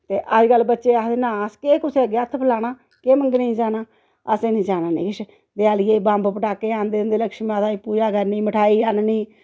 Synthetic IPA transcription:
t̪eːʔəd͡ʒkəlːbətːʃeːaːd̪eːnãːskeːkʊseːɡeət̪ʰpʰlaːnaː | keːməŋɡneĩːd͡ʒaːnaː | əsẽːnĩːd͡ʒaːnaːnḛːkɪʃ | d̪eaːljeːbãːmbpəʈaːkeːaːnd̪eːnd̪eːləkʃmãːt̪aːiːpuːd͡ʒaːkəɾniːməʈʰaːiːanniː

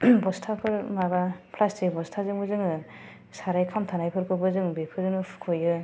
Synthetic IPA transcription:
bɔstʰapʰɯɾmabapʰlastebɔstʰazɯŋbɯzɯŋɯ | saɾajkʰamtʰanajpʰɯɾkʰɯbɯzɯŋbepʰɯzɯnɯpʰɯ̥kʰojɯ

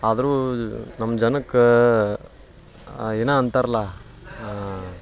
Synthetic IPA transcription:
aːd̪ɐɾunɐmːɐd͡ʒɐnɐkː | eːnaːɐnt̪aːɾɐla

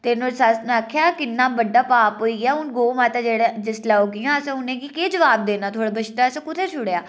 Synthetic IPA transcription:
t̪eːnosasnakʰjaːkɪnːaːbəɖaːpaːpɦoːiːɡaːʊnɡoːmaːt̪aːd͡ʒeːɽed͡ʒɪslaːoːɡɪjãːəsẽʊnẽːkikeːd͡ʒəʋaːb̚d̪eːnaːt̪ʰoːɽaːbət͡ʃt̪aːsẽːkʊt̪ʰeːt͡ʃʰʊɽjaː

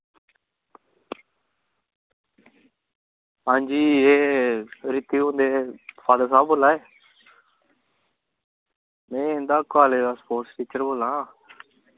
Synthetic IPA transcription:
ɦãːnd͡ʒiːeː | ɾɪt̪iːõːnd̪eːfʰaːd̪əs̬ãːboːlaːeː | mẽːnd̪aːkːaːleːdaːspoːɾʈsʈiːt͡ʃəɾboːlãː

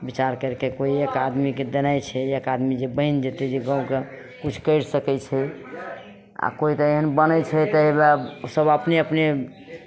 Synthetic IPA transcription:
bit͡ʃaɾkəɾkekoiekad̪miked̪enajt͡ʃʰɛekad̪mid͡ʒebəɦind͡ʒet̪ed͡ʒeɡãũke | kut͡ʃʰkəɪɾsəkɛt͡ʃʰɛ | a̰koit̪əeɦənbənəjt͡ʃʰɛt̪əebaosəbəpneəpne

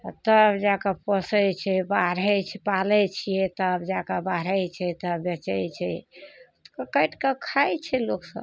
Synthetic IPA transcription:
t̪əbd͡ʒakapəsɛt͡ʃʰɛbaɾɛt͡ʃʰɛpalɛt͡ʃʰijɛt̪əbd͡ʒakabaɾəjt͡ʃʰɛt̪əbɛt͡ʃɛjt͡ʃʰɛ | t̪kəkəʈkəkʰajt͡ʃʰɛloksə̰b

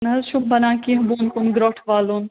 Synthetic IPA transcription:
nɦɐʃʊbbɐnãːkiɦɐbuːnkʊnɡɾoːʈʰʋaːloːn

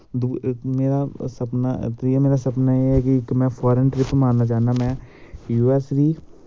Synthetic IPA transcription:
d̪uːmeːɾaːsəpna̰ːt̪iameːɾaːsəpnaːeːɦɛːkɪɪkmɛ̃ːpʰaːɾənʈɾɪpmãːnnaːt͡ʃaːnd̪aːmɛ̃ːjuːɛːsɾiː

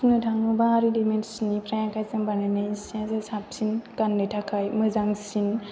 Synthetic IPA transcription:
unɯtʰaŋubaɾidimensnipɾajãkʰajsaŋbanɯnajsãzasʰap̚sinkanːɯtʰakʰajmɯzaŋsin

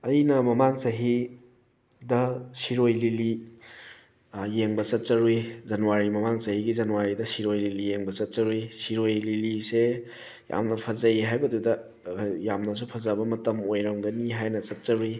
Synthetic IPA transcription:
ɐjnɐmɐmaŋsɐɦi | dɐsiɾojlili | jeŋbɐsɐt̚t͡ʃɐɾujzɐnuwaɾimɐmaŋsɐɦiɡizɐnuwaɾidɐsiɾojlilijeŋbɐsɐt̚sɐɾujsiɾojlilise | ja̰mnɐpʰɐzɐiɦajbɐdudɐ | jamnɐs̬upʰɐzɐbɐmɐtɐmojɾɐmɡɐniɦajnɐsɐt̚t͡ʃɐɾui

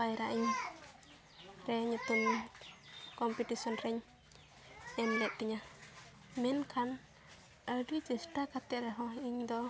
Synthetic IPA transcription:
ajɛɾaʔiɲ | ɾɛɲut̪um | kɔmpiʈisɔnɾɛɲ | ɛmlɛʔ̪̚kɛɲa | mɛnkʰan | əɖid͡ʒɛsʈakat̪ɛɾɛɦɔ̃iɲd̪ɔ

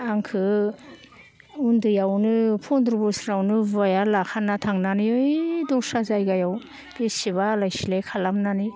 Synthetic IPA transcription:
aŋkʰɯ | undɯjawnɯpʰɔnd̪ɾɔbɔsɾawnɯvajalakʰanːatʰaŋnaniɯjdɔsazajɡajaw | b̥esiβaːlajsilekʰalamnani

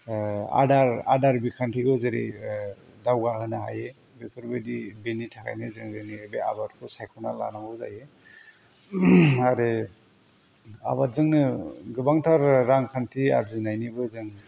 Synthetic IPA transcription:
a̰daɾa̰daɾbikʰantʰiɡɯzeɾḭ | dawɡaɦɯnaɦa̰je | bekʰɯɾbɯdibenitʰakʰa̰jnɯzɯŋɾɯŋnibea̰batkʰɯsajkʰɔnala̰naŋbɯza̰je | aɾe | a̰βat̚zɯŋnɯɡɯbaŋtʰaɾːaŋkʰantʰia̰ɾzinajnibɯzɯŋ

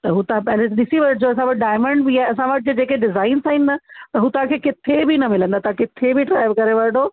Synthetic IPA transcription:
t̪ɐɦuːt̪ãɛlẽɗɪsiʋɐɾʈd͡ʑoɐs̬ãʋɐʈɖaːɪmə̃ɳɖbiaːeɐs̬ãʋɐʈʰɪd͡ʑod͡ʑeːkeɖɪzaːɪnsaːɦĩn̆d̪at̪ɐɦuːt̪ɐãkʰeːkɪt̪ʰebinɐmɪlə̃nd̪at̪ɐɦãkɪt̪ʰebɪʈɾaːɪʋkɐɾeʋɐɾɖo

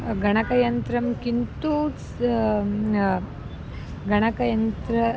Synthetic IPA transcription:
ɡɐɳ̃ɐkɐjɐnt̪ɾɐmkint̪ut͡s | ɡɐɳ̃ɐkɐjɐnt̪ɾɐ

